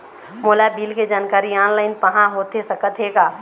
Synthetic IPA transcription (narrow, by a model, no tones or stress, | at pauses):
moːlabiːlked͡ʒaːnkaːɾiaːnlaːɪnpəɦãɦoːt̪esəkət̪ʰɦeːɡaː